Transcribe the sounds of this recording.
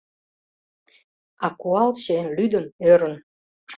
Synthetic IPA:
ɑkuɑlɕenlyd̪ə̆nøɾə̆n

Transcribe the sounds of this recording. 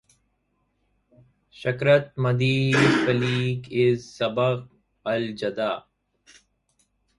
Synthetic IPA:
ɕɐkɾɐt̪̚mɐd̪iːzfɐliːkɪzsɐbɐq | ɐld͡ʒɐd̪aː

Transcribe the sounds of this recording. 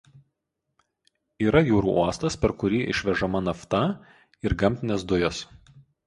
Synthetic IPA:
iːɾɐjuːɾṵːʔuɔst̪ɐspʲɛɾkʊɾʲiːʔɪ̰ʃʲʋʲɛʒɐmɐnɐft̪ɐ | ɪɾɡɐmʲt̪ʲɪnʲɛs̬d̪ʊjɛs

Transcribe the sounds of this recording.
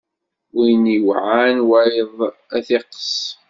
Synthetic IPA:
ijniwʕanwajðˤæθiqsˤ

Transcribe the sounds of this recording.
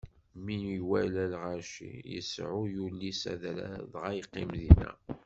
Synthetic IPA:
miniwælælʁæɾʃḭjə̰sʕʊjulːisæ̰ðɾæ̰ðʁæjqːimðinæ̰

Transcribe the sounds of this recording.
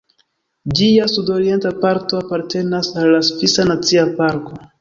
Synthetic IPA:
d͡ʒiasudo̞ɾie̞ntapaɾto̞apaɾte̞nasalːasfisanat͡siapaɾko̞

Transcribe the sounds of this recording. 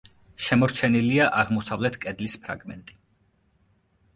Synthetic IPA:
ʃɛmɔɾt͡ʃʰɛniliaʔaʁmɔsavlɛt̪ʰkʼɛd̪lispʰɾa̰ɡmɛ̰nt̪ʼi̥

